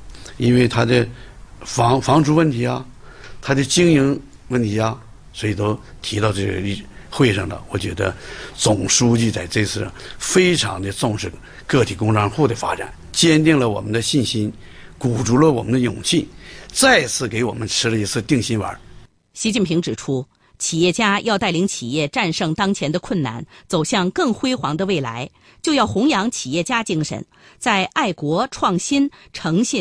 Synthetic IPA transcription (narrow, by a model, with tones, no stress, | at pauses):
i˥nwe˥˩ɪt̪ʰa˥d̪ə˧fɑ˧˥ŋfɑ˧˥ŋʈ͡ʂu˧˥wə˥˩nt̪ʰi˧˥ɐ˧t̪ʰa˥d̪ə˧t͡ɕi˥ŋi˧˥ŋ | wə˥˩nt̪ʰi˧˥ɐ˧ | swɔ˧˥i˨˩t̪o˥ʊ | t̪ʰi˧˥t̪ɑ˥˧ʊʈ͡ʂɤ˥˩ɡə̰˩˥˩xwe˥˧ɪʂɑ̰˥˩ŋd̪ə̰˩wɔ˧˥t͡ɕɥɛ̰˧˥d̪ə̰˦t͡sʊ˨˩ŋʂu˥t͡ɕi˥˧t͡sa˥˧ɪʈ͡ʂɤ˥˧t͡sʰɹ̩˥˩fe˥ɪʈ͡ʂʰɑ̰˧˥ŋd̪ə˧t͡sʊ˥˧ŋʂɻ̩˥˧ | kɤ˥˩t̪ʰi˨˩kʊ˥ŋʈ͡ʂʰɑ˥nxu˥˩d̪ə˩fa̰˥ʈ͡ʂa̰˨˩˦n | t͡ɕjɛ˥nt̪i˥˩ŋlə˩wɔ̰˨˩mə˦nd̪ə˧ɕi˥˩nɕi˥n | ku˨˩ʈ͡ʂu˧˥lə˧wɔ̰˨˩mə˦nd̪ə˧jʊ̰˨˩ŋɕʰi˥˩nt͡sa˥˧˩ɪt͡sʰɹ̩˥˩ke˧˥ɪwɔ˨˩mə˦nʈ͡ʂʰɻ̩˥lə˧i˧˥t͡sʰɹ̩˥˧t̪i˥˩ŋɕi˥nwə̰˞˧˥ | ɕi˧˥t͡ɕi˥˩npʰi˧˥ŋʈ͡ʂɻ̩˨˩ʈ͡ʂʰu˥ | t͡ɕʰi˨˩jɛ˥˩t͡ɕja˥jɑ˥˧ʊt̪a˥˩ɪli˧˥ŋt͡ɕʰi˨˩jɛ˥˧ʈ͡ʂa˥˧nʂɤ˥˩ŋt̪ɑ˥ŋt͡ɕʰjɛ˧˥nd̪ə˧kʰwə˥˩nna̰˥˩nt͡so˨˩ʊɕjɑ˥˧ŋkɤ˥˩ŋxwe˥ɪxwɑ˧˥ŋd̪ə˧we˥˩ɪla̰˧˥ɪ | t͡ɕjo˥˧ʊjɑ˥˩ʊxʊ˧˥ŋjɑ˧˥ŋt͡ɕʰi˨˩jɛ˥˩t͡ɕja˥t͡ɕi˥ŋʂə̰˨˩n | t͡sa˥˧ɪʔa˥˩ɪkwɔ˧˥ʈ͡ʂʰwɑ˥˩ŋɕi˥nʈ͡ʂʰɤ˧˥ŋɕɛ˥˩